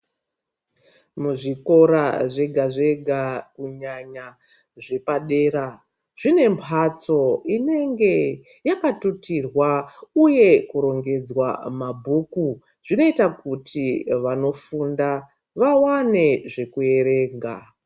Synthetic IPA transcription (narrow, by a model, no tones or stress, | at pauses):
muʐiko̞ɾaʐe̞ɡʱaʐe̞ɡʱakuɲaɲa | ʐe̞paɗe̞ːɾa | ʐ̥ine̞mpʰat͡so̞ine̞ŋɡe̞ | jakatutirwauje̞kuɾo̞ŋɡe̞d͡zwa̰mabʱuku | ʐ̥ino̞itakutʰiʋano̞funda | ʋawane̞ʐe̞kue̞ɾe̞ːŋɡa̰